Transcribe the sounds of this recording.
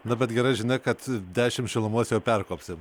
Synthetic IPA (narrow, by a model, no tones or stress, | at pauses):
nʊbʲɛt̪ɡʲɛɾɐɪʒʲɪnʲɐɪkɐt̪d̪ʲæːʃʲɪmʃʲɪlˠʊmuɔsʲjɛʊpʲɛrkoːpʲsʲɪm